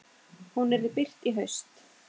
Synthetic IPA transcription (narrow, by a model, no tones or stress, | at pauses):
hunɛɾɪpɪr̥t̪iɦœɥst̪